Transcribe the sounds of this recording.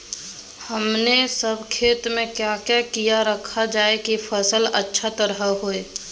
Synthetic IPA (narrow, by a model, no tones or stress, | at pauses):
həmnesəbʱkʰeːt̪mẽkjakjakijaɾəkʰad͡ʒaːekipʰəsələtːʃʰat̪əɾɦaɦoe